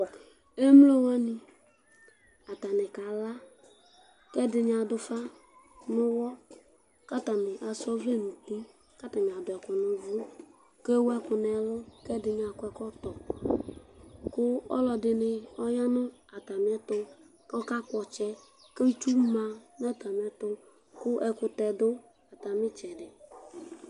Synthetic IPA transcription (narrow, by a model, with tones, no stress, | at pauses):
e˦m˦lo˦wɔ˦ni˨ | a˨ta˨nɪ˨ka˨la˦ | kɛ˦dɪ˨ɲ˦˨a˨dʊ˨fa˦ | nʊ˦wɔ˦ | ka˦ta˨mɪ˨ʔa˨sɔ˦ve˦˨nũ˨tu˦ | ka˦ta˨mɪ˨a˨dʊ˨ɛ˨kʊ˨nʊ˨vu˦ | ke˦wɛ˦kʊ˨nɛ˨lʊ˦kɛ˦dɪ˧ɲ˦a˨kʊ˦ɛ˧˦kɔ˦tɔ˨ | kʊ˦ɔ̰˦lɔ˧dɪ˧nɪ˦˧ɔ˦ja˦nʊ˦a˨ta˨m˨˦ɛ˦tʊ˦ | kɔ˦ka˦kɔ˨t͡ʃɛ˦ | ke˦t͡ʃu˦ma˨n˦a˦ta˨m˨ɛ˦tʊ˦ | kʊ˦ʔɛ˨kʊ˧tɛ˨dʊ˦ | a˨ta˨mɪ˦t͡ʃɛ˨dɪ˨